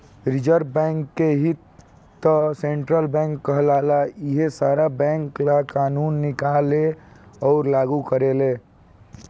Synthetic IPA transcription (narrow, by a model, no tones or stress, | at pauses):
ɾɪd͡ʒəɾbbɛŋkːeɦit̪ː | əsẽɳʈɾəlbɛ̃ŋkːəɦlalaiɦesaːɾabɛ̃ŋklakaːnuːnːɪkaleɔːɾlaːɡukəɾeleː